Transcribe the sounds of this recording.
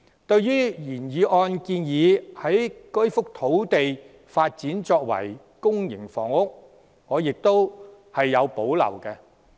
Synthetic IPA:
t̪ɵ˧ɥjyː˥jiː˨˩njiː˨˧ʔɔː˧nkiː˧njiː˨˧hɐ˨˥jkɵ˥ɥfʊ˥k̚t̪ʰo˨˥wt̪e˨j | faː˧t̚t͡siː˨˥nt͡ʃɔː˧k̚wɐ̰˨˩j | kʊ˥ŋjɪ˨˩ŋfɔ̰ː˨˩ŋʊ˥k̚ | ŋɔː˨˧jɪ˨k̚t̪o˥w | hɐ˨jːɐ˨˧wpo˨˥wlɐ̰˨˩wkɛ˧

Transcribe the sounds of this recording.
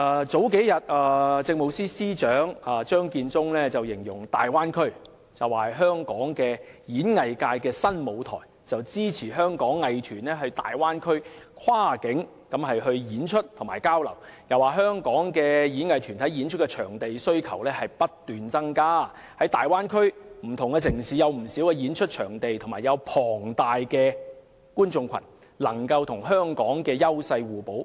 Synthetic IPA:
ʔaː˨˧t͡so˨˥wke˨˥jjɐ˨t̚aː˨˧t͡sɪ˧ŋ̚mo˨˧wsiː˥siː˥t͡ʃœː˨˥ŋaː˨˧t͡ʃœː˥ŋkiː˧nt͡sʊ˥ŋlɛː˥t͡sɐ˨wjɪ˨˩ŋjʊ̰˨˩ŋt̪a̰ː˨jwaː˥nkʰɵ˥ɥ | t͡sɐ˨waː˨hjɦœː˥ŋkɔː˨˥ŋkɛː˧jiː˨˥nŋɐ˨jkaː˧jkɛː˧sɐ˥nmo˨˧wt̪ʰɔ̰ː˨˩j | t͡sɐ˨wt͡siː˥t͡sʰiː˨˩ɦœː˥ŋkɔː˨˥ŋːɐ˨jt̪ʰyː˨˩nɛː˥ɦɵ˧t̪a̰ː˨jwaː˥nkʰɵ˥ɥkʰwaː˥kɪ˨˥ŋ | kɐ˨˥mɦɐ˨jɦɵ˧ɥjiː˨˥nt͡ʃʰɵ˥t̚t̪ʰʊ˨˩maː˨˩jkaː˥wlɐ˨˩wjɐ˨˩waː˨ɦœː˥ŋkɔː˨˥ŋkɛː˧jiː˨˥nŋɐ˨jt̪ʰyː˨˩nt̪ʰɐ˨˥jiː˨˥nt͡ʃʰɵ˥t̚kɛ˧t͡ʃʰœː˨˩ŋt̪e˨jsɵ˥ɥkʰɐ˨˩wlɛː˥hɐ˨jpɐ˥t̚t̪yː˨nt͡sɐ˥ŋkaː˥ | hɐ˨˥jt̪aː˨jwaː˥nkʰɵ˥ɥm̩˨˩t̪ʰʊ˨˩ŋkɛː˧sɪ˨˩ŋsiː˨jɐ˨˧wm̩˨˩siː˨˥wkɛ˧jiː˨˥nt͡ʃʰɵ˥t̚t͡ʃʰœː˨˩ŋt̪e˨jt̪ʰʊ˨ŋmaː˨˩jɐ˨˧wpʰɔː˨˩ŋt̪aː˨jkɛː˧ | kuː˥nt͡sʊ˧ŋkʰɐ̰˨˩n | lɐ˨˩ŋkɐ˧wt̪ʰʊ˨˩ŋɦœː˥ŋkɔː˨˥ŋkɛː˧jɐ˥wsɐ˧jwuː˨po˨˥w

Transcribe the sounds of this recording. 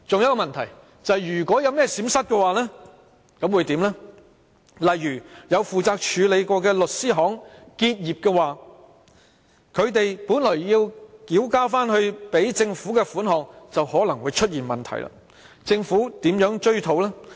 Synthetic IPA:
t͡sʊ˨ŋjɐ˥tkːɔ˧mɐ˨nt̪ʰɐ˨˩j | t͡sɐ˨jjyː˨˩kʷɔː˨˥jɐ˨˧wmɛː˥siː˨˥msɐ˥t̚kɛ˧waː˨lɛː˥ | kɐ˨˥mwuː˨˧jt̪iː˨˥mlɛ˥ | lɐ˨jːyː˨˩jɐ˨˧wfuː˨˩t͡saː˧k̚t͡ʃʰyː˨˧le˨˧jkɔː˧kɛː˧lɵ˨t̚siː˥ɦɔː˨˥ŋkiː˧t̚jiː˨˩p̚kɛː˧waː˨ | kʰɵ˨˧ɥt̪e˨jpuː˨˥nlɔː˨˩jjiː˧wkiː˨˥wkaː˥faː˥nhɵ˧ɥpe˨˥jt͡sɪ˧ŋfuː˨˥kɛ˧fuː˨˥nɦɔː˨ŋt͡sɐ˨whɔː˨˥lɐ˨˩ŋwuː˨˧jt͡ʃʰɵ˥t̚jiː˨˩nmɐ˨nt̪ʰɐ̰˨˩jla̰ː˧˥ | t͡sɪ˧ŋfuː˨˥t̪iː˨˥mjœː˨˥ŋt͡ʃɵ˥ɥt̪ʰo˨˥wlɛː˥

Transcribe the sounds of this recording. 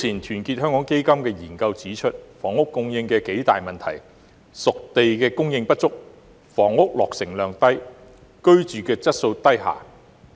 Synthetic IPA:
t͡sʰiː˨˩nt̪ʰyː˨˩nkiː˧t̚hœː˥ŋkɔː˨˥ŋke˥jkɐ˥mkɛː˧jiː˨˩nkɐ˧wt͡siː˨˥t͡ʃʰɵ˥t̚fɔː˨˩ŋʊ˥kːʊ˧ŋjɪ˧ŋkɛː˧ke˨˥jt̪aː˨jmɐ˨nt̪ʰɐ˨˩j | sʊ˨k̚t̪e˨jkɛː˧kʊ˥ŋjɪ˧ŋpɐ˥t̚t͡sʊ˥k̚ | fɔː˨˩ŋʊ˥k̚lɔː˨k̚sɪ˨˩ŋlœː˨˩ŋt̪ɐ˥j | kɵ˥ɥt͡ʃyː˨kɛː˧t͡sɐ˥t̚so˧wt̪ɐ˥jɦa̰ː˨˩

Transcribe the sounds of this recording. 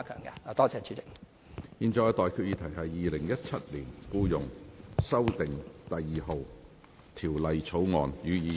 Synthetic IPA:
kʰœ̰ː˨˩ŋkɐ̰˧˨˧t̪ɔː˥t͡sʰɛː˧˥t͡ʃʰyː˨˥t͡sɪ˨k̚ | jiː˧nt͡ʃɔː˧jt̪ɔː˨jkʰyː˧t̚jiː˧t̪ʰɐ˨˩jɦɐ˨jːiː˨lɪ˨˩ŋjɐ˥t̚t͡sʰɐ˥t̚liː˨˩nkuː˥jʊ˨ŋsɐ˥wt̪ɪ˨ŋt̪ɐ˨jːiː˨ɦo˨w | t̪ʰiː˨˩wlɐ˨jt͡sʰo˨˥wŋɔː˨njyː˨˧jiː˨˧

